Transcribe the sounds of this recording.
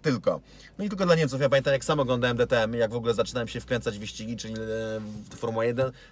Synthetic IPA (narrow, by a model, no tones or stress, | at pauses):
t̪ɘlkɔ̰ | nɔit̪ɘlkɔd̪laɲeɛmtsufjapamʲent̪amjaksamɔɡlɔnd̪awɛmd̪ɛt̪ɛɛmjaɡvɔɡulɛzat͡ʂɘnawɛmɕɛfkɾɛnt̪sad͡ʑvɘɕt͡ɕiɡʲit͡ʂɘlʲit̪ɛfɔɾmulajɛd̪ɛn